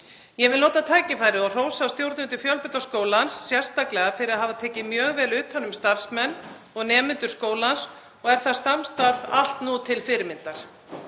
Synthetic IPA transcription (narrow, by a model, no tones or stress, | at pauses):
jɛvɪlnoːt̪at̪ʰaːjcɪfaːjɾɪɔr̥oːwsaawst̪jowɾt̪nʏnt̪ʏfjœlpʏt̪askoːwlansːjɛr̥st̪aklɛɣafɪɾɪðaɦaːvat̪ʰɛːcɪmjœːɣvɛːlʏːt̪hanːʏmst̪ar̥smɛnː | ɔɣnɛːmʏnt̪ʏɾskoːwlans | ɔɣɛɾ̥θast̪amst̪aɾva̰l̥t̪nut̪ʰɪlfɪɾɪmɪnt̪aɾ̥